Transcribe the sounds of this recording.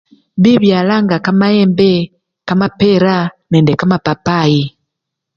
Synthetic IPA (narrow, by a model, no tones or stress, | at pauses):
βiβjaːlaŋɡakamaeːmbe | kamapeɾanendekamapapaji